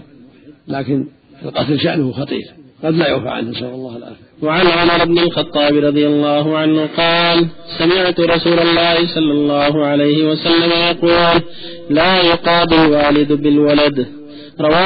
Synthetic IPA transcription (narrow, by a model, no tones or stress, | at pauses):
laːkɪn | ɪlqɑt̪lʃaʔnʊhʊxɑt̪ˤḭːɾɣɑd̪laja̰wfa̰ʕa̰nhɪsaɑlˤːɑːhalʔa̰ːxɾwaʕanʕʊmɑɾˤɪbnɪlxɑt̪ˤːɑːbɾˤɑd̪ˤɨjalˤːɑːɦʊʕanhʊqɑːlsamɪʕt̪ɾˤɑsuːlɑlˤːɑːhɪsˤɑlːɑlˤːɑːɦʊʕalajhɪwasalːamajɑquːl | laːjʊqɑːd̪ɪlwaːlɪd̪bɪlwalad̪ | ɾˤɑwaː